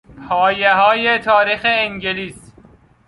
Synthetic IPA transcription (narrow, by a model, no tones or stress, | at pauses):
pʰɒːjeɦɒːjet̪ʰɒːɾiːxeːŋɟeliːs